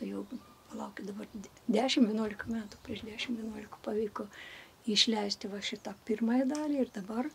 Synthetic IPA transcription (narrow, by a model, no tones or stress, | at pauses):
t̪ɐjɛʊ | pɐlˠɐʊkʲɪd̪ɐbɐrʲ | d̪ʲæːʃʲɪmʋʲɛnuɔlʲɪkɐmʲæːt̪ʊpʲɾʲiɛʃd̪ʲæːʃʲɪmʋʲɛnuɔlʲɪkɐpɐʋʲiːko | ɪʃʲlʲɛɪsʲt̪ʲɪʋɐʃʲɪt̪ɑːpʲɪrmɑjɛd̪ɑːlʲiːɪrd̪ɐbɐr